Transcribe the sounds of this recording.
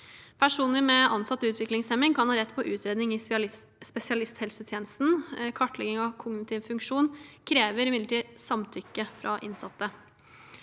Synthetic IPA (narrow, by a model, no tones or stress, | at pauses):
pʰæʂuːnləɾmɛʔɑnsʰɑt̪ːəʉːt̪ʰʋɪklɪŋsɛmɪŋkʰɑnhɑːɾɛt̪ːpʰɔʔʉːt̪ʰɾeːd̪nɪŋɪspɛsɪɑlɪst̪hɛlsət̪ʰjeːnəst̪n̩kʰɑʈːɭɛɡɪŋɑʋkʰʊɡnɪt̪ɪʋfʉŋkʂuːnkʰɾeːʋəɾɪmɪd̪əʈʰiːsɑmt̪ʰʏkːəfɾʔɑ̰ʔɪ̰nsɑt̪ːə